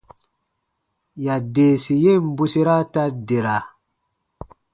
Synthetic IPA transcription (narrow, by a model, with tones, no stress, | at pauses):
ja˨de˨si˨je˦˨m˦bu˦si˦ɾa˦ta˦de˨ɾa˨